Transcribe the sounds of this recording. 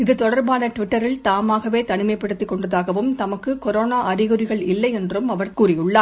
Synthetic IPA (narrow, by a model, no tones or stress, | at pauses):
ɪðɯt̪ɔɽɐɾbaːnɐʈʋɪʈːɐɾɪlt̪aːmaːɣɐʋeːt̪ɐnɪmɐɪpːɐɽɯt̪ːɪkːɔɳɖɐðaːɣɐʋɯmt̪ɐmɐkːɯkɔɾoːnaːʔɐɾɪɣɯɾɪɣɐɭɪlːɐɪɛndrɯmɐʋɐɾkuːrɪjʊɭːaː